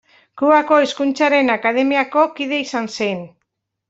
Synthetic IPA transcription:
kuako̞eskunt͡saɾe̞nakað̞emiako̞kiðe̞isansen

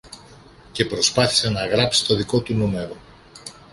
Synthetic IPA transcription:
ce̞pɾo̞spɐθi̥senɐɣɾɐpsi̥t̪o̞ðiko̞t̪unume̞ɾo̞

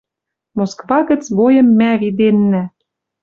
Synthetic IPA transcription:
moskvɑɣə̆t͡sβojɤ̆mːæβid̪enːæ

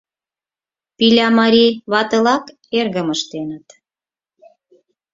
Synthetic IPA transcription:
pilʲɑmɑɾʲiβɑt̪ɤlɑk | erɣəməʃt̪enət̪

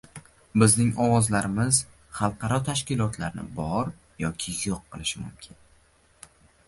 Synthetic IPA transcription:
bɪznɪŋɒwɒzlaɾɪmɪz̥ | χɑlˠqʰɑɾɒt̪ʰaʃkʲɪlˠɒt̪la̰ɾnɪ̰bɒɾ | jɒkʲʰɪjoqːɨlˠɪʃɪmʊ̰mkʲʰɪn

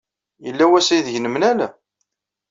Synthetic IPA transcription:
jəlːæwæsjðʝnəmnælæ

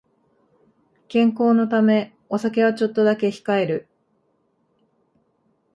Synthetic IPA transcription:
kẽ̞ŋko̞ːno̞t̪ame̞ | o̞sak̬e̞β̞at͡ɕo̞t̪ːo̞d̪ake̞çi̥kae̞ɾɯ̟

